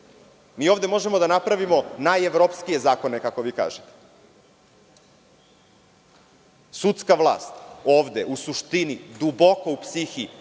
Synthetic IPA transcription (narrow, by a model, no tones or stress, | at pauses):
miːo̞ːʋd̪e̞mo̞ʒe̞mod̪anapɾaʋimo̞najeʋɾopskije̞zaːko̞ne̞kako̞ʋiːka̰ːʒet̪e̥ | sut̪skaʋlˠa̰ːst̪oːʋd̪eʔusuʃt̪inid̪ubo̞ko̞upsixi